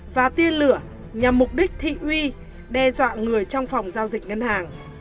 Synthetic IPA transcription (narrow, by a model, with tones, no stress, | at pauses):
vaː˨˩t̪i˧ənlɨ˧˩ə | ɲa˨˩mːʊ˨˩k͡p̚ɗï˦˥k̟̚t̪ʰḭ˧˨wi˧ | ɗɛ˧zwa̰ː˧˨ŋɨ˨˩əjt͡ɕɔ˧wŋ͡mfa˨˩wŋ͡mzaː˧wzi˨˩k̟̚ŋə˧nhaː˨˩ŋ